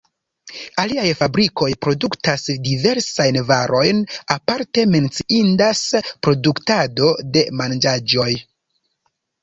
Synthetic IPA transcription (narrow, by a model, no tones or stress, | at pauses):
aliajfabɾiko̞jpɾo̞duktasdive̞ɾsajnvaɾo̞jnapaɾte̞me̞nt͡siʔindaspɾo̞duktado̞de̞mand͡ʒad͡ʒo̞j